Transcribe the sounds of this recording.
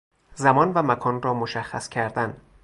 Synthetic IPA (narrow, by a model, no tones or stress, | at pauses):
zæmɒːnvæmækʰɒːnrɒːmoʃæxːæ̰scʰæɾd̪æn